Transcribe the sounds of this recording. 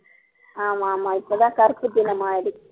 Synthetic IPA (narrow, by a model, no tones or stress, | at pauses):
aːmaːmaːɪpːɐðãːkɐɾpɯd̪ɪnɐmaːɪɽɯkː